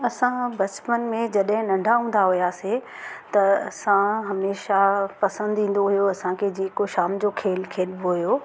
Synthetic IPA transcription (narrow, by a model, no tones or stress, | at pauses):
ɐsãbɐt͡ɕpənmẽd͡ʑɐɗɦɪ̃nɐ̃ɳɖʱaɦũːn̆d̪aɦʊjaːse | t̪ɐɐsãɦɐmeːʃapɐsə̃nd̪ĩːn̆d̪oɦujoɐsãkʰed͡ʑeːkoʃaːmd͡ʑoːkʰeːlkʰeːlboɦʊjoː